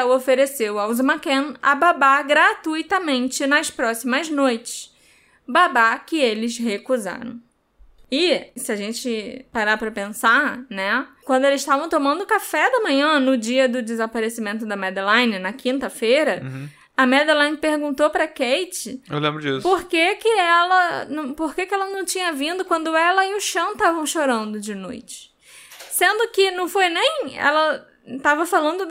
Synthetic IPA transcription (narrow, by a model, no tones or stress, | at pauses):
ofeɾesewɐwzmakẽnɐ̰babaɡɾat̪ujt̪ɐmẽnt͡ʃɪnɐspɾɔsimɐznojt͡ʃɪ̥s | babakɪelɪzhekuza̰ɾɐ̰̃w̃ | ɪsɪɐʒẽnt͡ʃɪpaɾapɾɐpẽsanɛkwɐ̃nd̪ʊelɪzʃt̪avɐ̃w̃t̪õmɐ̃nd̪ʊːkafɛd̪ɐmɐ̃ɲɐ̃nʊd͡ʒiɐd̪ʊd͡ʒɪzapaɾesimẽnt̪ʊd̪ɐmɛd̪lãjnɪnɐkĩnt̪ɐfejɾɐ | ɐmɛd̪elãj̃nɪpehɡũnt̪opɾɐkejt͡ʃɪḛwlẽmbɾʊd͡ʒḭsʊpoɾkekɪɛlɐnɐ̃w̃poɾkekɪɛlɐnɐ̃w̃t͡ʃĩɲɐvĩnd̪ʊkwɐ̃nd̪ʊɛlɐɪʊʃɐ̃w̃t̪avɐ̃w̃ʃoɾɐ̃nd̪ʊd͡ʒɪno̰jt͡ʃɪ̥ | sẽnd̪ʊkɪnɐ̃w̃fojnẽj̃ɛ̰lɐ | t̪avɐfalɐ̃nd̪ʊ